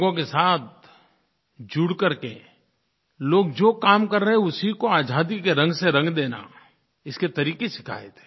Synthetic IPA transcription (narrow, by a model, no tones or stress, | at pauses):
ɡõkesaːt̪̚ | d͡ʒuɽkɐɾkḛ | loːɡd͡ʒoːkaːmkɐɾːəɦɛ̃ʊsikoaːd͡ʒʱaːd̪ikeɾɐ̃ŋɡseɾɐ̃ŋɡd̪eːna̰ | ɪsket̪ɐɾiːkesɪ̥kʰa̰ːet̪e̥ː